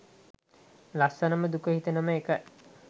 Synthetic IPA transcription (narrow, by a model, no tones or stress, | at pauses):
lasːɐnəməd̪ukəɦit̪ənɐməekə